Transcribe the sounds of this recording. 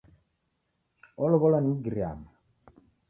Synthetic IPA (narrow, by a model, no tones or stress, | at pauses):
ɔlɔβɔlaniɡiɾia̰ma